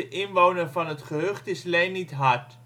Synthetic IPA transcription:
əʔɪnʋownərvɑnɦətχəɦøχtɪslejnːitɦɑɹt

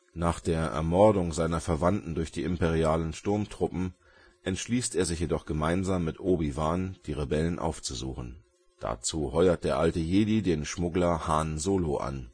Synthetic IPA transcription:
naːχd̥eːɐʔɛ̰ɐmɔɐdʊŋzaɪnɐfɛɐvantn̩dʊɐçd̥iːɪmpeʁ̞iaːlənʃtʊɐmtʁ̥ʊpm̩ | ʔɛntʃliːsteːɐzɪçjedɔχɡ̥əmaɪnzaːmːɪtʔoːbivaːnd̥iːʁebɛlənʔa̰ʊft͡suzṵːχn̩ | d̥a̰t͡suːhɔʏɐt̚d̥eːɐʔaltəjeːdiːdeːnʃmʊɡlɐhaːnzoːloʔa̰n

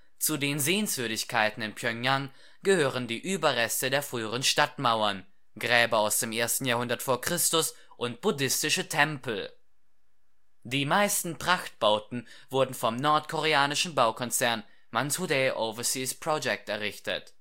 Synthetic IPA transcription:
t͡sudeːnzeːənsv̥ʏɐdɪçkʰaɪtn̩ɪnpʰjœŋjaŋ | ɡ̥əhøːʁəndiːʔyːbɐʁɛstədeːɐfʁ̥yːəʁ̞ənʃtatmaʊɐn | ɡʁɛːbɐaʊsd̥eːmʔeːɐstn̩jaːhɦʊndɐtfoːɐkʁ̥ɪstʊs | ʔʊnt̚b̥ʊdɪstɪʃətʰɛmpl̩ | d̥iːmaɪstn̩pʁ̥axt̚b̥aʊtn̩ | vʊɐdn̩fɔmnɔɐtkʰoʁeaːnɪʃn̩baʊkʰɔnt͡sɛɐn | manshudɛʔovɐsispʁ̥ɔd͡ʒɛk̚tɛɐʁɪçtə̰t

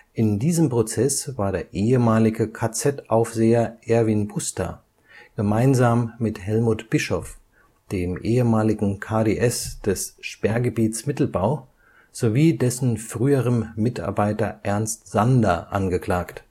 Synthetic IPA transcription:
ʔɪndiːzəmpʁ̥ot͡sɛsv̥aːɐɾeːɐʔeːəmaːlɪɡəkʰat͡sɛtʔaʊfz̥eːɐʔɛɐviːnbʰʊstʰa̰ | ɡ̥əmaɪnzaːmːɪthɛlmuːtb̥ɪʃɔf | d̥eːmʔeːəmaːlɪɡŋ̩kʰaːdeːʔɛsd̥ɛsʃpɛɐɡəbiːtsmɪtl̩baʊ | z̥oviːdɛsn̩fʁ̥yːəʁənmɪta̰ɐbaɪtɐʔɛɐnstz̥andɐʔanɡəkl̥aːkt

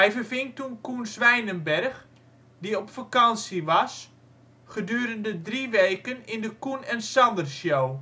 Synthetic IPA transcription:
ɦɛjvərvɪŋtunkunsʋɛjnənbɛrx | diɔpfakɑnsiʋɑs | χədyːɾəndədriʋeːkənɪndəkunɛnsɑndərsjow

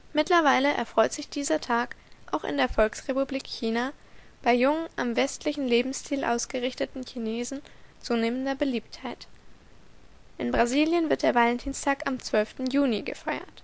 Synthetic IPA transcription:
mɪtlɐvaɪləʔɛ̰ɐfʁ̥ɔʏtz̥ɪçd̥iːzɐtʰaːkʔa̰ʊxɪ̰ndeːɐfɔlksʁepubliːkçiːnaːb̥aɪjʊŋənʔamvɛstlɪçn̩leːbm̩sstʰiːlʔa̰ʊsɡ̥əʁɪçtətn̩çineːzn̩t͡suːneːmən̩dɐbəliːp̚thaɪt | ʔɪnbʁaziːljənvɪɐtd̥eːɐvalɛntʰiːnstʰaːkamt͡sv̥œlftn̩juːniɡəfaɪɐ̰t

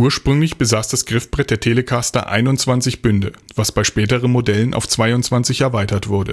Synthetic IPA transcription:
ʔuːɐʃpʁ̥ʏŋlɪçb̥əzaːsd̥asɡ̥ʁɪfb̥ʁɛt̚d̥eːɐtʰeːləkʰastɐ̰ʔa̰ɪnʊnt͡sv̥ant͡sɪçb̥ʏndəvasb̥aɪʃpɛːtəʁənmodɛlənʔa̰ʊft͡sv̥aɪʊnt͡sv̥ant͡sɪçɛɐvaɪtɐtv̥ʊɐdə̰

